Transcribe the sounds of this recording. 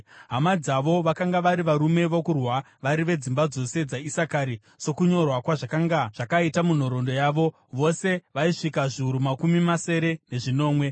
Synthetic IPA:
ɦamad͡zaʋo̞ʋakaŋɡaʋaɾiʋaɾume̞ʋokurwa | ʋaɾiʋe̞d͡zimbad͡zo̞se̞d͡zaisakaːɾi | so̞kuɲo̞rwakwaʐakaŋɡaʐ̥akaitamun̤o̞ɾo̞ndo̞jaːʋo̞ | ʋo̞se̞ʋaiʂikaʐiuɾumakumimase̞ɾe̞ne̞ʐino̞ːmwe̞

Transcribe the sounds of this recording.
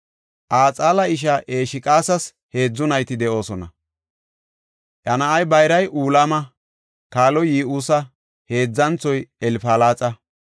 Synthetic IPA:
ʔaːt͡sʼaːlɐɪʃ̬ɐʔe̞ːʃɪkʼaːsɐs | he̞ːd͡zːʊnɐjt̪ɪd̪ɛʔo̞ːsɔnɐ̰ | ʔɐnɐʔɐjbɐjɾɐjʔuːlɐmɐ | kaːlɔjiːʔuːsɐ | he̞ːd͡zːɐnt͡sɔjɛlfaːlaːt͡sʼɐ

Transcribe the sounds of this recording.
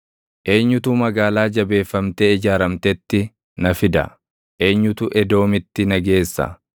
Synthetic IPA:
ʔe̞ːɲːʊt̪uːmɐɡaːlaːd͡ʒɐbe̞ːfːɐmt̪eːɪd͡ʒaːɾɐmt̪ɛt̪ːɪ | nɐfɪd̪ɐ̰ | ʔe̞ːɲːʊt̪uʔɛd̪o̞ːmɪt̪ːɪnɐɡe̞ːsːɐ̰

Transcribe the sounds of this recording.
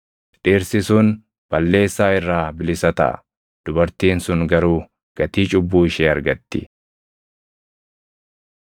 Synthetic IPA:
ᶑiːɾsɪsʊːn | b̥ɐlːe̞ːsːaːɪrːaːbɪlɪsɐt̪ɐ̰ʔɐ̰ | d̪̥ʊbɐɾt̪iːnsʊŋɡɐɾuː | ɡ̥ɐt̪iːt͡ʃʼʊbːuːɪʃeːɐɾɡɐt̪ːɪ̰

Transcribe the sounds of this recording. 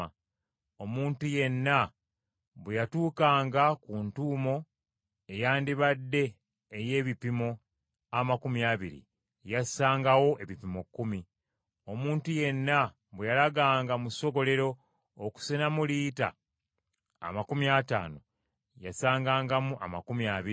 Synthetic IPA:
o̞muːntuje̞nːa | βwejatuːkaːŋɡakuntuːmo̞ | e̞jaːndiβadːe̞ː | je̞ːβipimo̞ | amakumiaβiɾḭ | jasaːŋɡawo̞ʔe̞βipimo̞kːumi | o̞muːntuje̞nːa | βwejalaɡaːŋɡamuso̞ɡo̞le̞ɾo̞ː | ku̥senamuliːta̰ | makumjata̰ːno̞ | jasaːŋɡaːŋɡamuʔa̰ma̰kumiaβii

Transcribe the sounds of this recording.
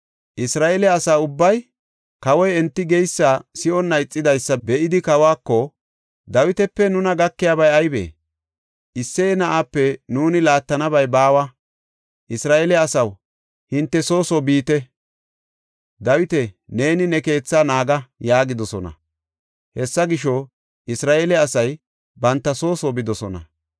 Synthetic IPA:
ʔɪsɾaːʔelɛɐsaːʊbːɐj | kɐwɔjɛnt̪ːɪɡɛjsːaːsɪɔnːɐɪt͡sʼːɪd̪ɐjsːɐbɛʔɪd̪ɪkɐwaːkːɔ | d̪ɐwɪt̪ɛpːɛnʊnɐɡɐkːɪjaːbɐjɐjbḛː | ʔɪsːenɐʔaːpːɛnuːnɪlaːt̪ːɐnɐbɐjbaːwɐ | ʔɪsɾaːʔɛlɛɐsɐw | hɪnt̪ːɛso̞ːsɔbiːt̪ɛ | d̪ɐwɪt̪ɛne̞ːnɪnɛke̞ːt͡sːaːnaːɡɐjaːɡɪd̪ɔsɔnɐ̰ | hɛsːɐɡɪʃɔ | ʔɪsɾaːʔelɛɐsɐj | bɐnt̪ːɐso̞ːsɔbɪd̪ɔsɔnɐ̰

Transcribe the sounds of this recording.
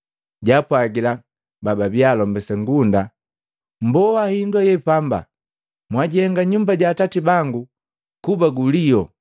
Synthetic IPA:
ɟapwaɡila | bababjalɔmbɛsɛŋɡunda | m̩bɔwahindwajɛpamba̰ | mwaɟihɛŋɡaɲumbaɟaːtatibaŋɡu | kubaɡulijɔ

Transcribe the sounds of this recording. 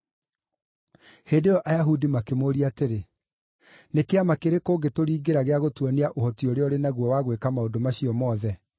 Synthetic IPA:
heːdeɾɔʔajaɦudimakemoːɾiateɾe | nekeamakeɾekoːɡetoɾiːɡeɾaɣeaɣotwɔniaʔohɔtioɾeɔɾenaɣwɔwaɣwekamaodomaɕiɔmɔðɛ

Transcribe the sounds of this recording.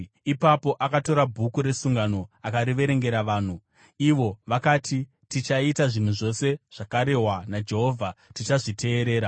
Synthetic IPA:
ipapo̞ʔakato̞ɾabʱukuɾe̞suŋɡano̞akaɾiʋe̞ɾe̞ŋɡe̞ɾaʋaːn̤u | iʋo̞ʋakatʰi | tit͡ʃaitaʐin̤uʐo̞se̞ʐ̥akaɾe̞ɦwanad͡ʒe̞ɦo̞ːvʱatit͡ʃaʐitʰe̞ːɾe̞ːɾa

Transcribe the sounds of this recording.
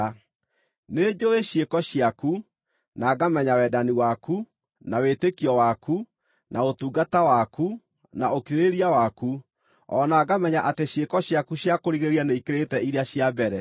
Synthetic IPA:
ned͡ʒoeɕjekɔɕjaku | naːɡamɛɲawɛːdaniwaku | nawetekiɔwaku | naotuːɡatawaku | naokiɾeɾiawaku | ɔːnaːɡamɛɲaʔateɕjekɔɕjakuɕjakoɾiɣeɣianeikeɾetɛiɾeaɕjabɛɾɛ

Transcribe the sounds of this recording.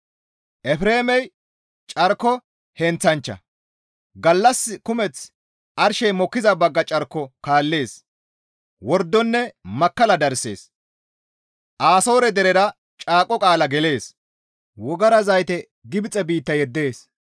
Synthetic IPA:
ʔɛfɾe̞ːmɛj | t͡ʃʼɐɾkːɔ | hɛnt͡sːɐnt͡ʃːɐ̰ | ɡɐlːɐsːɪkʊmɛt͡s | ʔɐɾʃɛjmɔkːɪzɐbɐɡːɐt͡ʃʼɐɾkːɔkaːlːe̞ːs | wɔɾd̪ːɔnːɛmɐkːɐlɐd̪ɐɾse̞̰ːs | ʔaːso̞ːɾɛd̪ɛɾɛɾɐ | t͡ʃʼaːkʼːɔkʼaːlɐɡɛle̞ːs | wɔɡɐɾɐzɐjt̪ɛ | ɡɪbɪt͡sʼːɛbiːt̪ːɐjɛd̪ːe̞ːs

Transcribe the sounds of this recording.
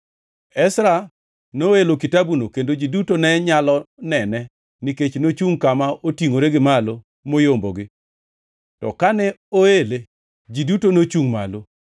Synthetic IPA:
ɛsɾa | noelokitabunokendod͡ʒidutonɛɲalɔnɛnɛ | niket͡ʃnot͡ʃuŋkamaotiŋoɾeɡɪmalo | mojomboɡɪ | tɔ̰kanɛoele | d͡ʒidutonot͡ʃuŋma̰lo

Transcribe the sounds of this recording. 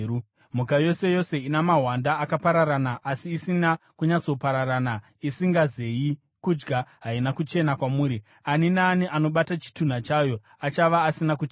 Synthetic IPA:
u | m̤ukajo̞se̞jo̞se̞inamaɦwandaːkapaɾaɾanaʔasiːsinakuɲat͡so̞paɾaɾana | isiŋɡaze̞ji | kud͡ʒɡaɦainakut͡ʃe̞nakwamuːɾi | aninaːniʔano̞ɓatat͡ʃi̥tun̤at͡ʃajo̞ | at͡ʃaʋaːsinakut͡ʃ

